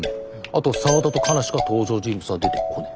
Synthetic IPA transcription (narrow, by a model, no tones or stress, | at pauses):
at̪o̞saβat̪at̪o̞kʰanaɕi̥kat̪o̞ːʑo̞ːʑĩmbɯ̟t͡ssɨɡad̪e̞t̪ekʰo̞ne